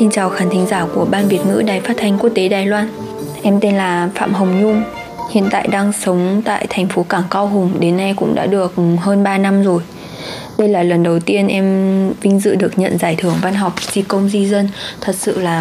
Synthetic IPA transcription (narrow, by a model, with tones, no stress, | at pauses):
si˧nt͡ɕaː˨˩wxaː˨˦nt̪ʰi˨˦ŋ̟zaː˧˩ku˧˩əɓaː˧nvi˨˩ət̚ŋɨ̰˧˥ɗaː˨˩jfaː˦˥t̚t̪ʰjŋ̟ku˦˥ək̚t̪e˨˦ɗaː˨˩jlwaː˧n | ʔɛ˧mt̪e˧nlaː˨˩fa̰ː˧˨mɦə˨˩wŋ͡mɲʊ˧ŋ͡m | hḭ˧˨ə˨nt̪a̰ː˧˨jɗaː˧ŋsə˨˦wŋ͡mt̪a̰ː˧˨jt̪ʰɛ˨˩jŋ̟fo˨˦kaː˧˩ŋkaː˧wɦʊ˨˩ŋ͡mɗe˨˦nːa˧jkʊ̰˧˥ŋ͡mɗa̰ː˧˥ɗɨ˨˩ək̚həː˧nɓaː˧na˧mzo˨˩j | ɗə˧jlaː˨˩lə˨˩nɗə˨˩wt̪i˧ənʔɛ˧mvï˧ŋ̟zɨ̰˧˨ɗɨ˨˩ək̚ɲə̰˧˨nzaː˧˩jt̪ʰɨ˧˩əŋva˧nɦɔ˨˩wk͡p̚zi˧˩kə˧wŋ͡mzi˧zə˧nt̪ʰə˨˩t̚sɨ̰˧˨laː˨˩